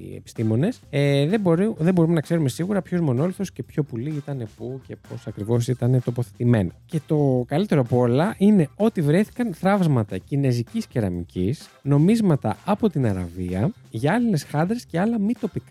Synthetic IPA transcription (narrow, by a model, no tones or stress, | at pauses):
ḛpi̥st̪imo̞ne̞seðeboɾiðembo̞ɾumenɐkse̞ɾume̞siɣuɾɐpçozmo̞no̞liθo̞sce̞pço̞puliit̪ɐne̞puce̞po̞sɐkɾivo̞sit̪ɐne̞t̪o̞po̞θe̞t̪ime̞noce̞t̪o̞kɐlit̪e̞ɾopo̞lɐʔine̞o̞t̪ivɾeθi̥kɐnθɾɐvzmɐt̪ɐcine̞zicisceɾɐ̰micisno̞mizmɐt̪ɐ̰ɐpo̞t̪inɐɾɐ̰viɐ | ʝɐɐline̞sxɐnd̪ɾe̞sce̞ɐlɐmit̪o̞pikɐ